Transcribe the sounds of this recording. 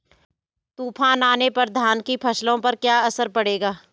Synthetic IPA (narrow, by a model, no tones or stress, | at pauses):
t̪uːpʰaːnaːnepɐɾd̪ʱaːnkipʰɐslõpɐɾkjaːɐsəɾpɐɽ̤eːɡaː